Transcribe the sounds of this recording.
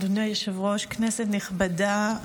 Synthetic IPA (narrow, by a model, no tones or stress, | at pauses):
dneajeʃavʁo̞ʃkneset̪niχbada